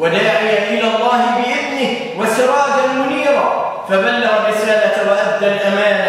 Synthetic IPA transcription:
wad̪aːʕɪjaʔɪlaːlˤːɑːhɪbɪʔɪðnɪh | wasɪɾˤɑːd̪amʊniːɾˤa̰ | fabalːɑɣɑrˤːɪsaːlawaʔab̚d̪alt̪amaːna

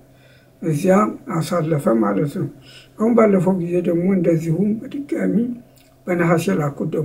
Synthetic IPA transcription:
ʔɨzjaasalːəfəmalət̪nɐwʔawumbalːəfɐwɡize̞d̪ɐmoɨnd̪ɐzːihubəd̪ɨɡʼami | b̥ənɐɦasɛlakʼːud̪ə

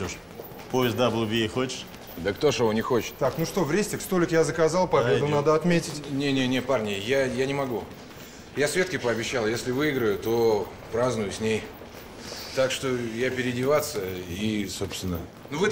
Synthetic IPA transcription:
oʂ | poɪst̪d̪ablˠuvʲixot͡ɕɪ̥ʂ | d̪əkt̪o̞ʂɨvonʲɪxo̞t͡ɕɪ̥t̪t̪aknuʂt̪o̞vɾʲesʲtʲɪkst̪o̞lʲɪkjazəkɐzalˠpɐbʲe̞d̪ʊnad̪əɐt̪mʲetʲɪtʲnʲenʲenʲet̪̚parnʲɪjjajanʲɪmɐɡu | jasvʲe̞t̪kʲɪpəɐbʲɪɕːalˠjesʲlʲɪvɨɪɡɾəjʊt̪o̞ | pɾaznʊjʊsʲnʲej | t̪akʂt̪o̞japʲɪɾʲɪdʲɪvat̪səiso̞pst̪vʲɪnːə | nuvɨ

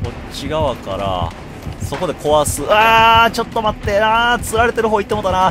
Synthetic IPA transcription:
o̞ | t͡ɕiɡaβakaɾa̰ | so̞ko̞d̪e̞ko̞βasɨaːt͡ɕo̞t̪ːo̞mat̪ːe̞aːt͡sɨɾaɾe̞t̪e̞ɾɯ̟ɦoit̪ːemot̪ːana

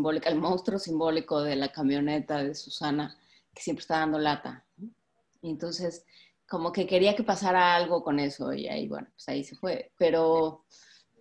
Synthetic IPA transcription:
mbolikaelmõwst̪ɾo̞simbo̞liko̞ðe̞lakamjo̞ne̞t̪aðe̞susana | ke̥sjempɾest̪aðand̪o̞lat̪a̰ | e̞nt̪o̞nse̞s | ko̞mo̞ke̞ke̞ɾiake̞pasaɾaalɣ̞o̞ko̞ne̞so̞̰ḭa̰ḭβwḛnopwesaise̞fwe̞pe̞ɾo

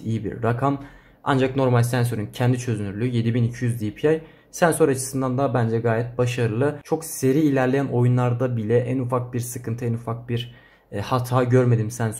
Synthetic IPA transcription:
ijibḭɾːakʰam | a̰nd͡ʒakno̞ɾmalʲsænsø̞ɾyncʰɛnd̪it͡ʃʰø̞zynyɾlʲyːje̞d̪ibinicʰijyzd̪ipʰiaj | sænso̞ɾat͡ʃʰɯ̥sɯnd̪and̪abænd͡ʒɛɡaːjɛt̪̚baʃaɾɯlˠɯt͡ʃʰo̞kse̞ɾiːlʲæɾlʲejænʔo̞junlˠaɾd̪abilʲɛʔænufak̚biɾsɯkʰɯnt̪ʰɯænufak̚biɾ | hat̪ʰaːɟøɾme̞d̪imsæns

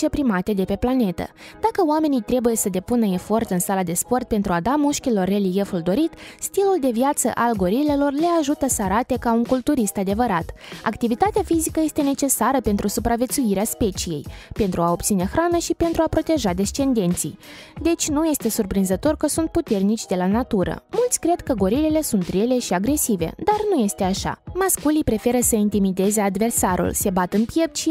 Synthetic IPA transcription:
t͡ʃepɾimat̪e̞d̪e̞pe̞plane̞t̪ə̰d̪akəoame̞nijt̪ɾe̞buje̞səd̪e̞punəe̞fo̞rt̪ɨnsalad̪e̞spo̞rt̪̚pe̞nt̪ɾuad̪amuʃkʲilo̞rːe̞lije̞fuld̪o̞ɾit̪st̪iluld̪e̞vjat̪sə̰ʔalɡo̞ɾile̞lo̞rle̞aʒut̪əsəaɾat̪e̞kauŋkult̪uɾist̪ad̪e̞vəɾat̪a̰kt̪ivit̪at̪eafizikəje̞st̪e̞ne̞t͡ʃe̞saɾəpe̞nt̪ɾusupɾavje̞t̪suiɾeaspe̞t͡ʃije̞̰jpe̞nt̪ɾuao̞p̚t̪sine̞xɾanəʃipe̞nt̪ɾuapɾo̞t̪e̞ʒad̪e̞st͡ʃe̞nd̪e̞nt̪sḭjd̪e̞t͡ʃʲnuje̞st̪e̞surpɾinzət̪o̞rkəsunt̪̚put̪e̞rnit͡ʃʲd̪e̞lanat̪uɾə̰mult̪sʲkɾe̞d̪kəɡo̞ɾilile̞sunt̪re̞le̞ʃiaɡɾe̞sive̞̰d̪arnuje̞st̪e̞aʃa̰maskulipɾe̞fe̞ɾəsəint̪imid̪e̞ze̞ad̪ve̞rsaɾʔṵlse̞bat̪ɨnpjep̪ʃ

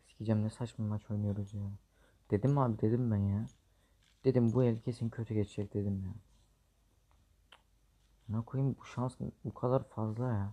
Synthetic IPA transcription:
scʰid͡ʒæmnɛsat͡ʃmamat͡ʃʰo̞jnujo̞ɾuzjan | d̪̥e̞d̪imaːbid̪ed̪imbænja | d̪̥ed̪imbuelʲicʰesincʰøt̪ʰyɟet͡ʃʰid͡ʒɛc̚d̪ed̪imja | nakʰojumbuʃansbukʰad̪aɾfazlˠaja

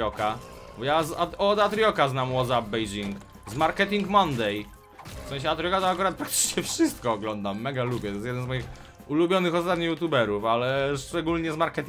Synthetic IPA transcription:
ɔkabɔjazɔd̪at̪ɾjɔkaznamwɔzabbɛjd͡ʑiŋk | zmaɾkɛt̪̬ʲiŋkmɔnd̪ɛj | fsɛ̃ɕ̬ɛat̪ɾʲijɔkat̪ɔakuɾat̪̚pɾak̚t̪ɘ̥t͡ʂɲɛfʂɘst̪̚kɔːɡlɔnd̪amːɛɡalubʲjɛt̪ɔjɛs̬jɛd̪ɛnzmɔjix | ulubʲjɔnɘxɔst̪at̪̚ɲijut̪̬ubɛɾufalɛʂt͡ʂɛɡulɲɛzmaɾkɛt̪

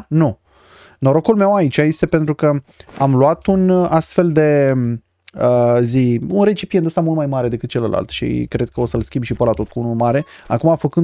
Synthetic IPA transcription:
nu | no̞ɾo̞kulme̞wait͡ʃaje̞st̪e̞pe̞nt̪ɾukəa̰mluat̪unast̪fe̞ld̪e̞ | əziunɾe̞t͡ʃipiet̪əst̪amult̪majmaɾe̞d̪e̞kɨt̪̚t͡ʃeləla̰lt̪ʃḭkɾe̞d̪̚kəo̞səlskʲimbʃipəlat̪o̞t̪̚kuunulmaɾe̞ | a̰kumafəkɨn

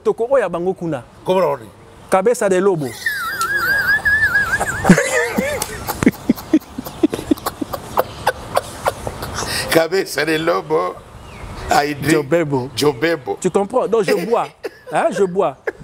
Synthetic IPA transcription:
tokoojabaŋɡokuna | ɡobɾni | kabesadɛlobo | kabesadɛlobo | aidɔbɛbod͡ʒɔbɛbot̪ikɔ̃pɔ̃dɔ̃ʒebua | aʒebua

